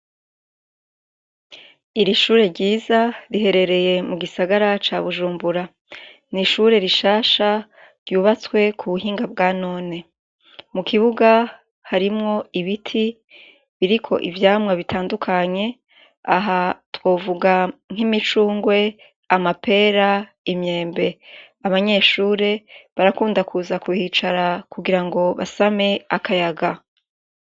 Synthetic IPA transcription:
iɾiʃuːɾe̞ɾɟiːzaɾiɦe̞ɾe̞ɾe̞je̞muɡisaɡaɾat͡ʃaβuʒuːmbuɾa | niʃuːɾe̞ɾiʃaːʃa | ɾɟuːβat͡swe̞kʰuβuɦiːŋɡabɡaːno̞ːne̞ | mukʰiβuɡa | haɾimŋo̞iβitʰi | βiɾikʰo̞̰ʔivjaːmŋaβitʰaːndukʰaɲe̞ | a̰ɦatwo̞ːvuɡaŋ̥ɦimit͡ʃuːŋɡwe̞ | amapʰe̞ːɾa | imɲe̞ːmbe̞ | aβaɲe̞ʃuːɾe̞βaɾakuːndakʰuːzakuhit͡ʃaɾakuɡiɾaŋɡo̞βa̰same̞akʰajaɡa

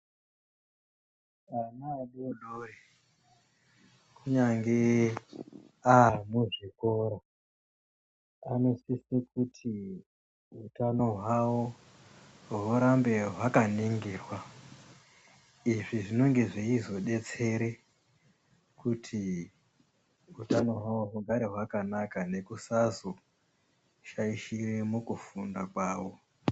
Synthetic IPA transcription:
anaːɗoɗoːre | kuɲaŋɡe | anoʐikoːɾa | ano̞sisekutʰi | utano̞ɦwawo | ɦuɾambe̞ɦwakaneŋɡeːrwa | iʐiʐino̞ŋɡe̞ʐeizo̞ɗe̞t͡se̞ɾe | kʰutʰi | utano̞ɦwawoɦuŋɡaɾe̞ɦwakanakane̞kusazo | ʃaiʃiremukufundakwaːwo̞

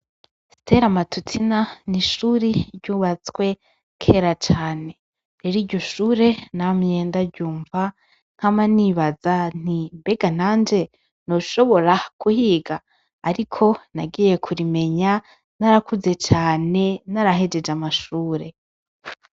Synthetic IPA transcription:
stʰe̞ɾamatutʰinaniʃuːɾiɾɟuːβat͡swe̞ | kʰe̞ːɾat͡ʃaːne̞ | ɾeɾiːɟo̞ʃuːɾe̞namɲe̞ːndaɟuːɱva | ŋ̥hamaniβazan̥imbe̞ɡan̥aːnd͡ʒe̞ | no̞ʃo̞βo̞ɾakuhiːɡaː | ɾikʰo̞naɡiːje̞kʰuɾime̞ɲa | naɾakuze̞t͡ʃaːne̞naɾaɦe̞d͡ʒe̞d͡ʒamaʃuːɾe̞

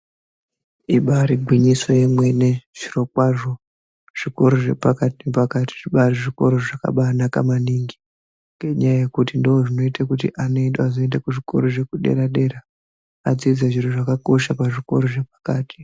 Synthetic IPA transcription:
iɓaɾiɡʱwiɲisojemwe̞neʐ̥iro̞k̚waʐo̞ | ʐ̥iko̞ɾoʐe̞̰pakatinepakati̥ʐiɓaɾiʐiko̞ɾoʐaka̰ɓaːnaka̰maniːŋɡi | ŋɡeɲajaje̞kutindooʐino̞itʰakut̬iʔano̞iɗazoendakuʐiko̞̰ɾoʐe̞kuɗe̞̰ɾaɗe̞ɾa | ad͡zid͡zaʐiɾoʐakako̞ʃapaʐiko̞ɾoʐe̞p̚ḁkaːti̥

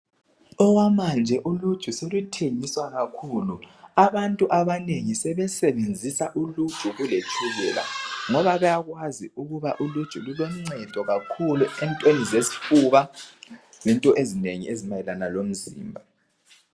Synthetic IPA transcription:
ɔwamand͡ʒʱɛʔulud̥ʒ̥ʱuselutʰeŋiswaɣakʰuːluaβantʼuʔaβaneŋisɛβɛsɛβend͡zʱisaʔulud̥ʱuɣulet͡ʃʰʼuɣɛːla̰ŋɔβaβajaɣwaziuɣuβaʔulud̥ʒ̥ʱululɔm̩ŋ͡ǀɛd̥ʱɔɣakʰuluɛntʼwenizesi̥fuβa | lɛntʼɔʔezineŋḭʔezimajɛlanalom̩zḭːmbʱa

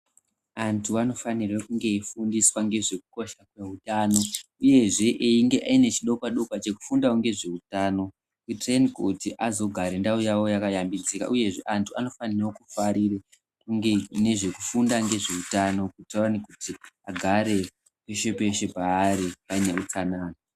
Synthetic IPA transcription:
antʰuano̞fanirekuŋɡe̞ifundiswaŋɡe̞ʐe̞kuko̞ʃakwe̞ɦutaːno̞ | uje̞ʐe̞ʔiŋɡe̞ʔaine̞t͡ʃiɗo̞kaɗo̞kwat͡ʃe̞ku̥fundauŋɡe̞ʐe̞utaːno̞ | kutrenkotiʔazo̞ɡʱaɾendaujawo̞jakajambid͡zika̰ʔuje̞ʐe̞ʔantʰuano̞fanireokufaɾire | uene̞ʐe̞ku̥fundaŋɡe̞ʐe̞utano̞kutenikutiaɡʱaɾe̞ | pe̞ʃe̞pe̞ʃe̞paːɾipaneut͡sanaːna

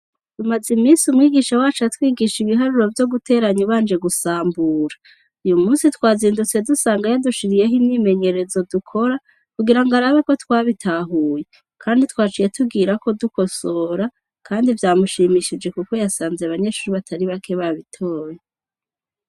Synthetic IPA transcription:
d̥umazimiːnsumŋiːɡiːʃawaːt͡ʃatwiːɡiʃiβiɦaɾuɾo̞vjo̞ɡutʰe̞ːɾaɲuβaːnd͡ʒe̞ɡusaːmbuːɾḁ | ujumuːnsitwaːziːndut͡se̞dusaːŋɡajaduʃiɾije̞ɦimɲiːme̞ɲe̞ɾe̞zo̞dukʰo̞ɾa | kuɡiɾaŋɡaɾaβeko̞twaːβitʰaɦuːje̞ | kʰaːnditwaːt͡ʃije̞tʰuɡiːɾako̞duko̞so̞ːɾa | kʰaːndivjaːmuʃiːmiʃid͡ʒe̞kuko̞jasaːnzjeaβaɲe̞ʃuɾiβatʰaɾiβakʰe̞βaβitʰo̞ːje

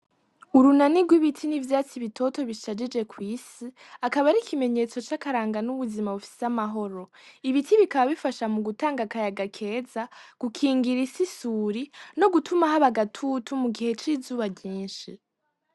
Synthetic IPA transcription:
uɾunaniɡwiβitʰinivjaːt͡siβitʰo̞to̞βiʃad͡ʒid͡ʒe̞kwiːsi | akaβaɾikʰime̞ɲe̞t͡so̞t͡ʃakaɾaːŋɡanuβuzimaβufi̥samaɦo̞ɾo̞iβitʰiβikaβaβifaʃamuɡutaːŋɡakajaɡakʰe̞ːzaɡ̥ukʰiːŋɡiɾisisuːɾino̞ɡutʰumaɦaβaɡatʰutʰumuɡihe̞t͡ʃiːzuːβabɟiːnʃi

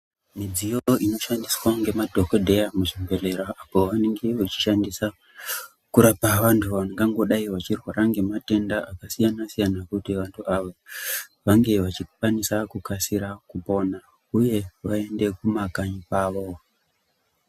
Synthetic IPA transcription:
mid͡zijoino̞ʃandiswaŋɡe̞madʱo̞kodʱe̞jamuʐimbele̞ɾaʔːpo̞ʋane̞ŋɡe̞ʋot͡ʃi̥ʃandisa | kuɾapaʋantʰuʋaneŋɡaŋɡo̞ɗaiʋat͡ʃirwaɾaŋɡe̞mate̞ndaʔakasijanasijanakutiʋantʰuʔaʋoʋaŋɡe̞ʋat͡ʃik̚wanisakukasiɾakupo̞na | uje̞ʋae̞nde̞kumakaɲipaːʋo̞

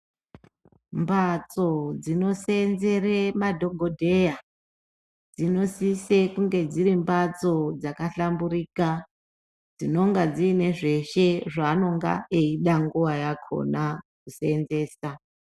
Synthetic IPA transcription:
mbat͡so̞d͡zino̞senze̞remadʱo̞ɡʱodʱe̞ja | d͡zino̞sise̞kuŋɡe̞d͡ziɾimbat͡so̞d͡zakaɬamburiːka | d͡zino̞ŋɡad͡ziːne̞ʐe̞ʃe̞ʐaːno̞ŋɡa̰eiɗaŋɡuʋajakʰo̞̰nakusenze̞ːsa

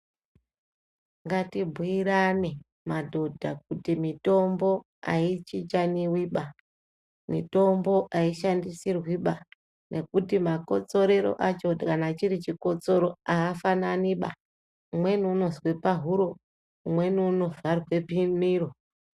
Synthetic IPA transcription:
ŋɡatibʱuiɾane | madʱo̞dʱa̰k̚utimito̞mbo̞ | a̰it͡ʃit͡ʃaniwiɓa | mito̞mbo̞ʔaiʃandisirwiɓa | nʔe̞kutimako̞t͡so̞ɾe̞ɾo̞̰ʔat͡ʃo̞kanat͡ʃiɾit͡ʃikot͡so̞ɾoaːfananiɓa̰ | umwe̞niuno̞zwe̞paɦuɾo̞ | umwe̞niuno̞varwe̞pimiro

